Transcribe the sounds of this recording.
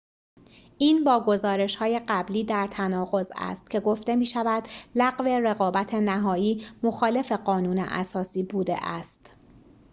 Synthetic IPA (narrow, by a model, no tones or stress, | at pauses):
ʔiːnbɒːɡo̞zɒːɾe̞ʃhɒːje̞ɢæbliːd̪æɾt̪ʰænɒːɣo̞zæ̰st̪̚kcʰe̞ɡo̞ft̪e̞miːʃævæd̪læɣve̞re̞ɣɒːbæt̪ʰe̞næɦɒːjiːmoxɒːle̞fe̞ɢɒːnuːnḛʔæ̰sɒːsiːbuːd̪e̞̰ʔæst̪